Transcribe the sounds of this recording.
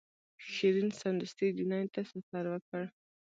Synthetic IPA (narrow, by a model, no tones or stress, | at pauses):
ʃiɾinsand̪ʊst̪id̪unajt̪asafaɾwəkəɽ